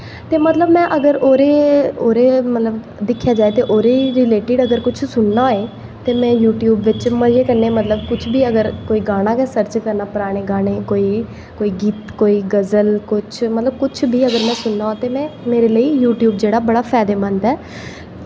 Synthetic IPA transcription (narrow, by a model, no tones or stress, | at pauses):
t̪eːmət̪ləbmɛ̃ːʔəɡəɾoːɾeːoːɾeːmət̪ləb | d̪ɪkʰːjaːd͡ʒaːeːt̪eːʔoːɾeːɾɪleːʈɪɖəɡəɾkʊt͡ʃʰsʊɳnaːeː | t̪eːmɛ̃ːjuːʈjuːbʋɪt͡ʃməd͡ʒeːkəɾneːmət̪ləbkʊt͡ʃʰbiːəɡəɾkoːiːɡaːɽ̃ãːkɛːsəɾt͡ʃkəɾnaːpəɾaːɽ̃eːɡaːɽ̃eːkoːiː | koːiːɡiːt̪koːiːɡəzəlkʊt͡ʃʰmət̪ləb̚kʊt͡ʃʰbʱiːəɡəɾmɛ̃ːsʊnːãːt̪eːmɛ̃ːmeːɾeːləiːjuːʈjuːb̚d͡ʒeːɽaːbəɽaːpʰɛːd̪eːmənd̪ɛː